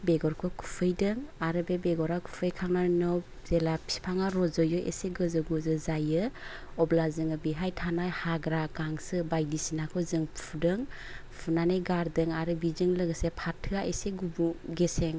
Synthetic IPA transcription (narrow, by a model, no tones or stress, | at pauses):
beɡɔɾkʰɔkʰu̥pʰɯjdɯŋaɾɯbebeɡɔɾakʰu̥pʰɯjkʰaŋnanɔ | zelapʰi̥pʰaŋaɾɔzɔjɔʔḛseɡɯzɯɡɔzɯzajɯ | ɔblazɯŋɯbiɦajtʰanajhaɡɾaɡaŋsɯbajdisinakʰɔzɯŋpʰudɯŋ | pʰunanajɡaɾdɯŋaɾɯbizɯŋlɯɡəsepʰatʰːɯaʔeseɡubuɡeseŋ